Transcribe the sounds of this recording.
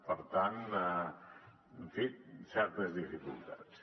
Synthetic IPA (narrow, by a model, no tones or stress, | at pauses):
pəɾt̪ana | ɱfet̪̚sɛɾt̪əzðifikṵlˠt̪at̪s